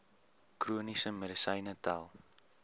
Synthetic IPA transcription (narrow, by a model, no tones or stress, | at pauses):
kruənisəmədəsəjnəta̰lˠ